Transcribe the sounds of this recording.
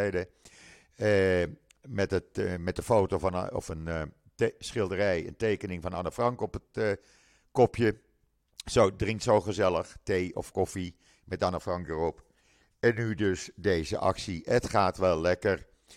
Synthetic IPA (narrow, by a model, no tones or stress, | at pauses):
ɛjdə | mɛtətmɛt̚dəfowtonɔ̰fən | sχɪlˠdərɛjə̰ntejkənɪŋvɑnɑnəfrɑŋkɔpət | kɔpʰjə | sodrɪŋktsowχəzɛləχtejɔ̰fkɔfi | mɛtanafrɑŋkdərɔp | ɛnːydøsdejzə̰ʔɑ̰ksiʔətχaːtʋɛlˠlɛkər